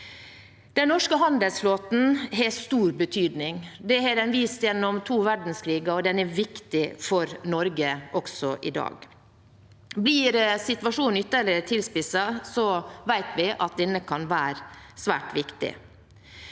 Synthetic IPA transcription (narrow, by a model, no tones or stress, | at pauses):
d̪̥ɛnnɔʂkəɦɑnd̪əlsfloːt̪n̩ɦɛst̪uːɾbət̪ʰyːd̪nɪŋd̪ɛɦɛɾɛnʋiːst̪jɛnːɔmt̪ʰuːʋæɖn̩skʰɾiːɡɑɾɔd̪ɛnɛʋɪkt̪ɪfɔɾnɔɾɡəʔɔksɔʔɪ̰d̪ɑ̰ːɡ | bliːɾsɪt̪ʋɑʂuːnnʏt̪ːəlɪt̪ʰɪlspɪsɑsɔʋæɪt̪ʋɪʔɑt̪̚d̪ɛnːəkʰɑnʋæːɾsʋæ̰ːʈʋɪkt̪ɪ̰